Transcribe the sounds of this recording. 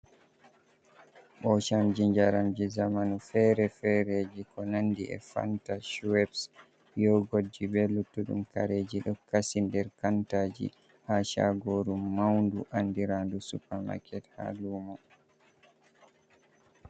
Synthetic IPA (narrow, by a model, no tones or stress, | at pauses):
ɓɔʃamd͡ʒiɲd͡ʒaɾamd͡ʒizamanufɛɾɛfɛɾeːd͡ʒikɔnanːdiɛ̰fa̰ntaʃuwɛps | jɔɡod͡ʒibɛlutːuɗṵmka̰ɾeːd͡ʒiɗɔkasindɛɾkantaːd͡ʒḭ | haʃa̰ɡoɾumːawnduʔandiɾandusupama̰kʰɛtha̰luːmɔ